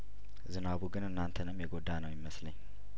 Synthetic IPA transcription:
zɨnaβuɡɨnɨnːant̪ʰənɨmjɛɡo̞d̪anəwjɪməsləɲː

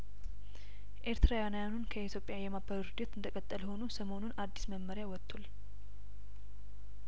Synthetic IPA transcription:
ʔe̞ɾt̪ɾajanajanunkʰəit̪ʰjopʼjajɛmabəɾɾud̪et̪ɨnd̪əkʼət̪ʼːəlho̞nusəmo̞nunʔad̪ːi̥sməmːəɾjawɔt̪ʰːul

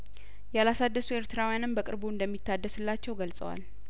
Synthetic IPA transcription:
jɛalasad̪ːəsue̞ɾt̪ʰɨɾawjanɨmbəkʼɨ̰ɾbuɨnd̪əmːit̪ʰːad̪ːəsɨlːat͡ʃːɛwɡəlsʼə̰wa̰l

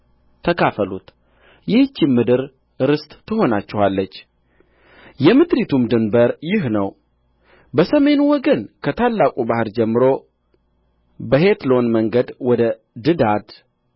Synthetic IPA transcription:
t̪ʰːəkʰafəlṵt̪ | jɪht͡ʃːɪmːɨd̪ɨɾ | ɾɨst̪ʼt̪ːɨɦo̞nat͡ʃːɪhalːət͡ʃː | jɛmɨd̪ɾit̪ʰumd̪ɨnbəɾjɪɦnəw | bəsəme̞nwɔɡənkʰət̪ʰalːakʼubahɨɾd͡ʒɛmːɨɾo̞ | bəhe̞t̪lo̞nməŋɡəd̪wɔd̪ə | d̪ɨd̪ad̪

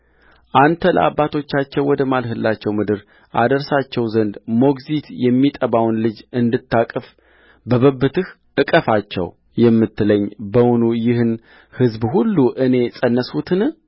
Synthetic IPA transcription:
ʔant̪ʰələ̰ʔa̰bːat̪ʰo̞t͡ʃːat͡ʃːɛwwɔd̪əmalɦɨlːat͡ʃːɛwmɨd̪ɨɾ | ʔa̰d̪əɾsat͡ʃːɛwzənd̪mo̞ɡzit̪jɛmːit̪ʼəβawnlɨd͡ʒɨnd̪ɨt̪ːakʼɨf | bəβəbːɨt̪ɨh | ʔɨkʼəfat͡ʃːɛ̰w | jɛmːɨt̪ːɨləɲːbəwʊnujɪhɨn | hɨzbhulːuʔɨne̞sʼənːəsut̪ʰɨnɨ

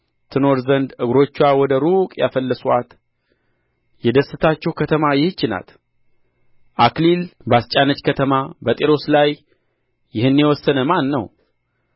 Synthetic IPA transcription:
t̪ʰɨno̞ɾzənd̪ɨɡɾo̞t͡ʃːwawɔd̪əɾukʼjafəlːəsuat̪ | jɛd̪əsːɨt̪ʰat͡ʃːɛwkʰət̪ʰəmajɪht͡ʃːɪna̰t̪ | ʔaklilbast͡ʃʼanət͡ʃkʰət̪ʰəmabət̪ʼeɾo̞slajː | ɪhɨnːjɛwɔsːənəmanːəw

